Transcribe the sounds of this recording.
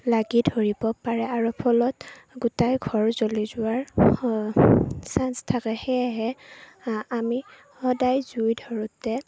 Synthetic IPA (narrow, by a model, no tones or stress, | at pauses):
laɡidʱoɹibɔpaɹɛaɹɔpʰɔlɔt | ɡutajɡʱɔɹzolizʊwaɹ | sanstʰakɛxɛɦɛ | ami | hɔdajzujdʱɔɹɔtɛ